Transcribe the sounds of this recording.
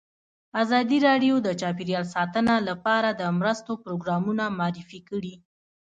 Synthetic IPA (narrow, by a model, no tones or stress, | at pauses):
azɑd̪iɾɑɖjod̪ət͡ʃɑpiɾjɑlsɑt̪ənalapɑɾad̪əmɾəst̪opɾoɡɾɑmunamɑɾifikəɽi